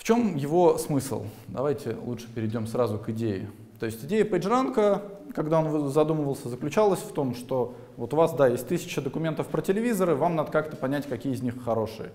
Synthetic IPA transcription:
ft͡ɕo̞mjɪvo̞smɨslˠd̪ɐ̰vajtʲɪ̰lˠutʂɨ̥pʲɪɾʲɪdʲo̞msɾazʊkɪdʲejɪ̰ | t̪o̞ɪsʲtʲɪdʲejəpəʐɾankəkɐɡd̪ao̞nvzɐd̪uməvəlˠsʲəzəklʲʉt͡ɕalˠəsʲft̪o̞mʂt̪o̞ | vo̞t̪ʊvasd̪ajesʲt̚ʲt̪ɨsʲɪ̥t͡ɕəd̪əkʊmʲent̪əfpɾətʲɪlʲɪvʲizəɾɨvamnad̪əkakt̪ə̥pɐnʲætʲkɐkʲijəɪzʲnʲixːɐɾo̞ʂɨ̰jə̰

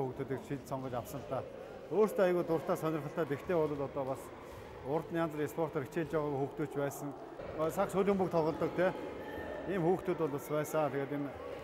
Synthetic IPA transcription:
xuːxt̪uːt̪ɘ̆kt͡ɕʃiɮsɔɴɢɞ̆t͡ɕawsə̆ɮt̪aː | oːr̥st̪ʰeːajɣuːt̪ʊr̥t̪aːsœnʲɪ̆rχə̆ɬt̪æːt̪ekt̪ʰeːʊɮʊ̆ːt̪ɔt̪ɔːpas | ʊrt̪njant͡sriespʰɔr̥t̪ɔɾit͡ɕeːɮt͡ɕaːʁaːɣxuːxt̪uːt͡ɕpæːsə̆ŋ | sakʃʊɮʲɪ̆mpukt̪ʰɔɮʁɞ̆ɮt̪ɞ̆k̚t̪ʰeː | iːmxuːxt̪uːt̪ʊɮaspæːsəat̪ʰeɣeːt̪em

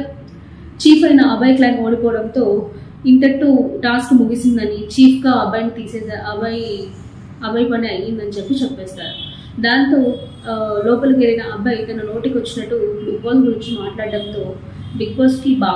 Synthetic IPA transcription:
t͡ʃiːpɐjnɐːbʱɐjklaːnoːɽipɔːɐɽɐnt̪o̞ː | int̪ɐʈːuʈaːskmuɡisind̪ɐnit͡ʃiːpʰɡaɐbaːnkt̪iːseːdɐbɐj | ɐbɐjpɐniɐjind̪ɐnit͡ʃepːit͡ʃɛpːɛːst̪a̰ːɾu | d̪aːnt̪oː | lɔːpɐlkeɾɐjnɐːbʱɐjt̪ɐnɐno̞ːʈikʋɐt͡ʃːinɐʈːuikːɐːlɡuɾiɲt͡ʃimaːʈlaːɽɖɐnt̪o̞ː | bikʋoːsʈkibaː

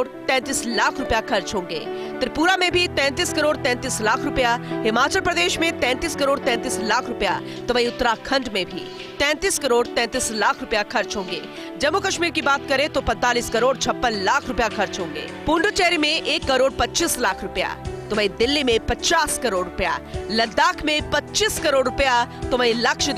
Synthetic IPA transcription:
ɽt̪ɛ̃ːnt̪iːslaːkʰɾʊpjaxʰɐɾt͡ʃɦõːŋɡḛː | t̪ɪɾpuːɾamẽbʱit̪ɛ̃ːnt̪iːskɐɾoːɽt̪ɛ̃ːnt̪iːslaːkʰɾʊpjaɦɪmaːt͡ʃəlpɾɐd̪eːʃmẽt̪ɛ̃ːnt̪iːskɐɾoːɽt̪ɛ̃ːnt̪iːslaːkʰɾʊpja̰ | t̪oʋɐiʊt̪ːɾakʰɐ̃ɳɖmẽbʱḭ | t̪ɛ̃ːnt̪iːskɐɾoːɽt̪ɛ̃ːt̪iːslaːkʰɾʊpjaxɐɾt͡ʃɦõːŋɡḛː | d͡ʒɐmːukɐʃmiːɾkibaːt̪̚kɐɾẽt̪opɛ̃nt̪aːliskɐɾoːɽt͡ʃʰɐpːənlaːkʰɾʊpjaxʰɐɾt͡ʃɦõːŋɡḛːpũːɳɖut͡ʃɛːɾimẽʔeːkːɐɾoːɽpɐtːt͡ʃiːslaːkʰɾʊpja̰t̪ʊmə̃ĩd̪ɪlːimẽpɐtːt͡ʃaːskɐɾoːɽɾʊpja̰ːlɐd̪ːaːkʰmẽpɐtːt͡ʃiskɐɾoːɽɾʊpjat̪ʊmə̃ĩlɐkʃ

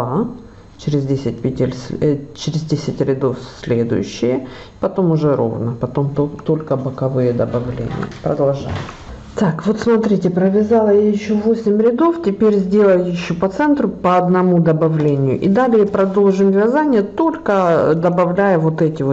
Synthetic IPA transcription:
a | t͡ɕɪɾʲɪzdʲesʲɪt̚ʲpʲɪtʲɪlʲsʲt͡ɕɪɾʲɪzdʲesʲɪtʲɾʲɪd̪o̞fsʲlʲed̪ʊ̰jʊ̰ɕːɪjə | ɪ̥pɐt̪o̞mʊʐɛɾo̞̰vnəpɐt̪o̞mt̪ot̪o̞lʲkəbəkɐvɨjəd̪əbɐvlʲḛnʲɪ̰jə̰pɾə̰d̪ɐlˠʐa̰jʊ̰ | t̪akvo̞t̪smɐt̪ɾʲitʲɪpɾəvʲɪzɑlˠəjajɪɕːovo̞sʲɪmʲɾʲɪd̪o̞ftʲɪpʲeɾʲzʲdʲe̞lˠəjʊjɪɕːopɐt̪sɛnt̪ɾʊpɐɐd̪nɐmud̪ɐbɐvlʲenʲɪjʊʔid̪alʲɪjəpɾɐd̪o̞lˠʐɨmvʲɪzanʲɪjət̪o̞lʲkəd̪əbɐvlʲæjʊvot̪ɛtʲɪvo

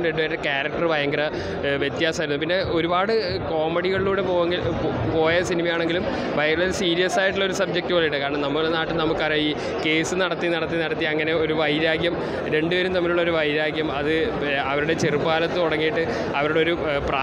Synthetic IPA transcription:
mɾe̞ɳɖɨʋɐːɾʈːɨkaːɾɐk̚ʈɐrbʱɐjɐŋɡɐɾɐ | ʋjet̪ːjaːsɐmɐɾunːupinːe̞o̞ɾubaːɽɨ | ko̞ːmɐɽiɣɐɭiluːɽe̞po̞ːɣeŋɡilpo̞ːjɐsinimɐjaːɳe̞ŋɡilum | bʱɐjɐŋɡɐɭɐɾsiːɾijɐsaːjiʈːuɭːo̞ɾusɐb̚d͡ʑek̚ʈːɨʋoɭːɐjiʈːɨkaːɾɐɳɐmnɐmːuɐɽnaːʈːɨnɐmukːɐɐiː | ke̞ːsɨnɐɽɐt̪ːinɐɽɐt̪ːinɐɽɐt̪ːiɐŋːɐne̞o̞ɾuʋɐjɾaːɡjɐm | ɾe̞ɳɖɨʋɐɾumt̪ɐmːiluɭːɐo̞ɾuʋɐjɾaːɡjɐmɐðɨ | ɐʋɐɾuɽe̞t͡ɕerupːaːlɐt̪ːɨoɽɐŋːijiʈːɨ | ɐʋɐɾuɽeo̞ɾu | praː

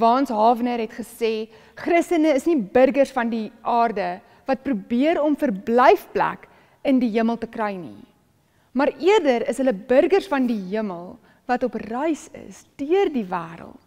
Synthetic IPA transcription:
vɑːnsɦɑːvənəɾɦɛtχəseː | χrəstənəːsnibərɡərsfɐndiʔɑːrdə | vɐt̚prubiəɾɔmfərblɛjfplæ̰k | əndiɦiəməlˠtəkrœjnḭ | mɑriərdəɾəsɦələbərɡərsfɐndiɦiəməlˠ | vɐtɔprəjsə̰sd̥yərdivæːɾə̰lˠt

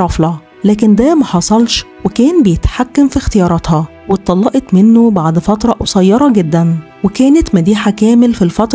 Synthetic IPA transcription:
ɾˤɑflɑ | læːk̬end̪æːmæħɑsˤɑlʃ | wekæːnbejet̪ħakːæmfixt̪ejɑːɾˤɑt̪hɑ | wet̪ˤːɑlːɑʔet̪menːobaʕd̪fɑt̪ɾˤɑʔwsˤɑjːɑɾˤɑɡed̪ːæn | wekæːnet̪mæd̪iːħakæːmelfilfɑt̪ˤɾ

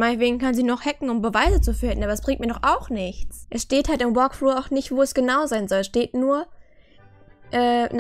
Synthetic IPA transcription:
maɪnətveːɡŋ̩kʰanziːnɔχhɛkŋ̩ʊmbəvaɪzət͡sufɪltn̩aːbɐɛsb̥ʁɪŋt̚miːɐdɔχʔaʊxnɪçt͡sʔɛsʃteːthaltɪmbɔɐkfluːɐaʊxnɪçtv̥oːɛsɡ̥ənaʊzaɪnzɔlsʃteːtnuːɐ | ʔɛːn

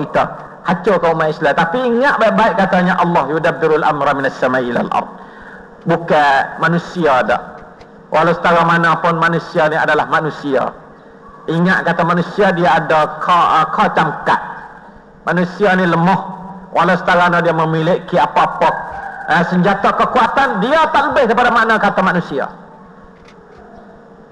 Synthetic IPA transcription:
it̪a | hat͡ʃokaumaʔislat̪apiiŋaʔ̪̚baɪʔ̚baɪʔkːat̪aɲaʔɑlːɑhjudab̚d̪ɪɾalʔa̰mɾamɪ̃nasːamaʔila̰lʔɑ̰ɾd̪̚ | bukamanũsiada̰ʔ | wʔalawsə̥t̪aɾamanapʊnmanusianiadalahmanũsia̰ | ʔiŋaʔ̪̚kat̪amanũsiadiaːdakʰakʰat͡ʃamka̰t̪̚ | manũsianĩləmɔhwʔalasə̥t̪aɾaanadiaməmilɪʔkiapaapɔk̚əsəɲd͡ʒat̪akəkuat̪andiat̪aʔləbɪhdəipadamanakat̪amanũsia̰

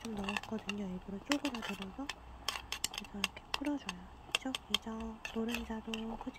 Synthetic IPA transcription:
t͡ɕomnʌʌk͈ʌdɯɲoiɭbuɾot͡ɕ͈oɡɯdadɯɾʌsʰʌ | kesʰʌkʰep͈ʰɯɾʌd͡ʑʌjo | id͡ʑʌid͡ʑʌmoɾɯnid͡ʑadokʰʌd͡ʑ

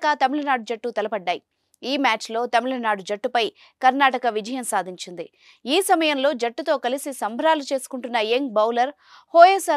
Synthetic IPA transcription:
kɐt̪ɐmiɭɐnaːɽud͡ʒɐʈːut̪ɐlɐpɐɖːaːji | iːmaːt͡ʃlo̞ːt̪ɐmiɭɐnaːɽud͡ʒɐʈːupɐj | kɐɾnaːʈɐkɐʋid͡ʒɐjɐmsaːd̪ʱiɲt͡ʃind̪i | iːsɐmɐjɐmlo̞ːd͡ʒɐʈːut̪o̞ːkɐlisisɐmbʱɐɾaːlut͡ʃe̞ːsu̥kuɳʈunːɐjeŋbɐwlɐɾ | hoːjesɐ

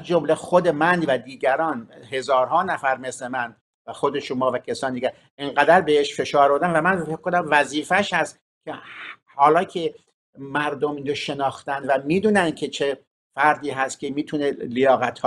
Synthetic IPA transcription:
zd͡ʒomlexod̪e̞mænvæd̪iːɟæɾɒːnɦe̞zɒːɾɦɒːnæfæɾmesle̞mæn | væxod̪e̞ʃomɒːvæcʰæsɒːnid̪iɟæɾ | eŋɢæd̪æɾbe̞heʃfe̞ʃɒːɾboɾd̪ænvæmænfecʰkonæmvæziːfæʃhæst̪ | kʲʰe | hɒːlɒːcʰe | mæɾd̪omiːnd͡ʒoʃe̞nɒːxt̪ænd̪væmiːd̪uːnænd̪̚kʲʰe̞t͡ʃʰe | fæɾd̪iːɦæst̪kʲʰemiːt̪ʰunelejɒːɣæt̪ʰhɒ

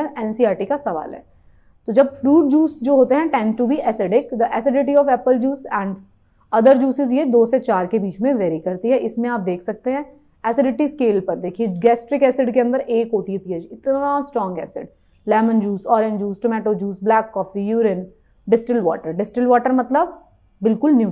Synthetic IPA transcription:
ɛːnsiaːɾʈikasɐʋa̰ːlɦɛ̰ː | t̪od͡ʒɐbfɾuːʈ̚d͡ʒuːsd͡ʒoːɦoːt̪eɦɛ̃ʈɛ̃ːɳɖʈubiʔɛːsɪɖɪkd̪əʔɛːsɪɖɪʈiɔːʋɛːpəld͡ʒuːsɛ̃ːɳɖ | ɐd̪əɾd͡ʒuːsɪzjed̪oːset͡ʃaːɾkebiːt͡ʃmẽʋɛːɾikɐɾt̪iɦɛʔɪsmẽaːp̚d̪eːkʰsɐk̚t̪eɦɛ̃ː | ɛːsɪɖɪʈiskeːlpɐɾd̪eːkʰieɡɛːsʈɾɪkɛːsɪɖkeɐ̃nd̪əɾeːkɦoːt̪iɦɛpiːəd͡ʒɪt̪nasʈɾɔ̃ːŋɡɛ̰ːsɪ̰ɖ̚ | lɛːmə̃nd͡ʒuːsɔːɾẽnd͡ʒuːsʈʊmɛːʈod͡ʒuːsblɛːkːɔːfijuːɾɪn | ɖɪsʈɪlʋɔ̰ːʈəɾɖɪsʈɪlʋɔːʈəɾmɐt̪ləb | bɪlkʊlnjuː

